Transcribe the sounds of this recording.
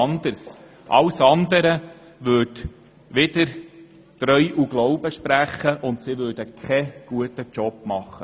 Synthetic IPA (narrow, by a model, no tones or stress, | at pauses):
ɑnd̪əɾs | ʔɑ̰wsɑnd̪əɾə | ʋʉt | ʋɪd̪əɾ | tɾœʏʔuɡlɔʊbəʃpɾæχːəʔʊntsiʋøːɾd̥əkʰχɛɡ̥uətət͡ʃɔb̥mɑχːə